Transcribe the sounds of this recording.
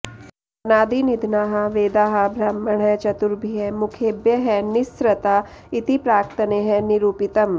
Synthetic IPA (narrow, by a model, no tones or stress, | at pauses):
ɐnaːd̪inid̪ʱnaːɦɐ̆ʋeːd̪aːɦɐ̆bʱɾaːmɐɳɐt͡ʃɐt̪uɾbʱiɦɛmukʰeːbjɐɦɛnisɾɐt̪aː | it̪ipɾaːkt̪ɐneːɦɛniɾuːpit̪ɐm